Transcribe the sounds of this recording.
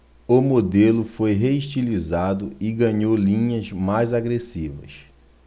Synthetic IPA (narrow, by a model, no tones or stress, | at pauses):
ʊmod̪elʊfojɦeiʃt͡ʃilizad̪ʊɪɡɐ̃ɲowlĩɲɐzmajzaɡɾesivɐ̰s